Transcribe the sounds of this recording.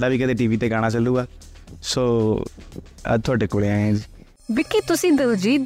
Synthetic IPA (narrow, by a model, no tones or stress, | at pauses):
d̪aːʋiːkət̪eːʈiːʋiːt̪eːɡaːɽ̃ãːt͡ʃəlːuːɡaː | soː | ə̰t̪ʰʊaːɖeːkʊɽeãːẽːd͡ʒiː | bɪkːiːt̪ʊsĩːd̪əd͡ʒiːd̪